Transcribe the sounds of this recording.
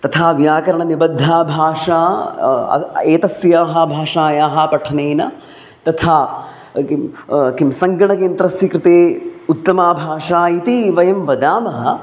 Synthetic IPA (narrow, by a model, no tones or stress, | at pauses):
t̪ɐt̪ʰaːʋjaːkɐɾɐɳɐnibɐd̪ʱːaːbʱaːʂaːɐ̰eːt̪ɐsjaːɦɐbʱaːʂaːjaːɦɐ̆pɐʈʰɐneːnɐ | t̪ɐt̪ʰaː | kimsɐŋɡɐɳɐkeːnt̪ɾɐsjikɾɪt̪eːut̪ːɐmaːbʱaːʂaːit̪iʋɐjɐmʋɐd̪aːmɐɦ